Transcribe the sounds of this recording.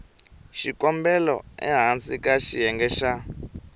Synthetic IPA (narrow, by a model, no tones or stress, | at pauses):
ʃikɔmbɛlɔ̰ɛ̰ɦant͡sikaʃijɛŋɡɛʃa